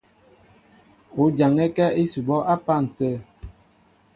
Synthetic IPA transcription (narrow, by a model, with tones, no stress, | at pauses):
o˨˦d͡ʒa˨ŋɛ˦kɛ˦e˦su˨bɔ˦ʔa˦pa˦˨n̩˨tə˦˨